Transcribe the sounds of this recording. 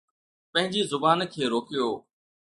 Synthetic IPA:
pə̃ɦɪ̃ɲd͡ʑiːzʊbaːnkʰeːɾoːkɪjoː

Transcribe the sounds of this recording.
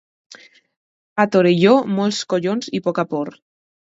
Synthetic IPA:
at̪oɾeʎomɔlskoʎonzipokapoɾ

